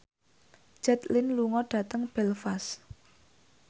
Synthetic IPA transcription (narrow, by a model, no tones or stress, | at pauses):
d͡ʒ̥ɛt̪lɪnluŋɔɖ̥ä̤t̪əŋb̥ɛlfas